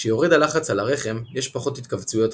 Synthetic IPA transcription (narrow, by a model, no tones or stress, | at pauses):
ʃejo̞ʁidalaχat͡salaʁe̞χe̞mjɛʃpaχo̞thit̪kavt͡sujo̞t